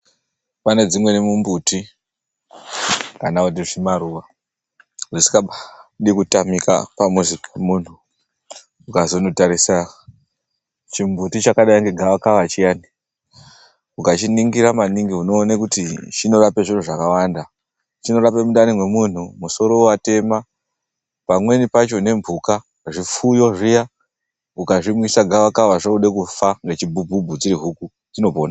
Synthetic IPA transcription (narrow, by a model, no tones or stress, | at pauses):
pane̞d͡zimwe̞nimumbuti | kanakut̬iʐimaɾuʋa | urisi̥kaaɗikutamika̰pamuzikemun̤u | ukazo̞notaɾisa | t͡ʃimbutit͡ʃakaɗajiŋɡeɡʱaakaʋat͡ʃijani | ukat͡ʃiniŋɡiɾamaniŋɡiuno̞ːnekutit͡ʃino̞rape̞ʐin̤uʐakawanda | t͡ʃino̞ɾape̞muɗanimwe̞mun̤umuso̞ɾo̞wate̞ma | pamwe̞nipat͡ʃo̞ne̞mbʱuka | ʐifujo̞ʐija | ukaʐimwisaɡʱaʋakaʋaʐauɗekufaŋɡe̞t͡ʃibʱubʱubʱut͡siɾiɦuku | d͡zino̞poːna